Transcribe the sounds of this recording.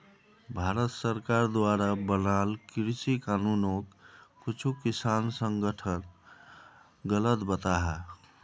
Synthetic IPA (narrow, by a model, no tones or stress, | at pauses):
bʱaɾət̪səɾkaɾd̪waɾabənalkɾsikanunokːut͡ʃʰukisansəŋɡəʈʰən | ɡələt̪bət̪aɦa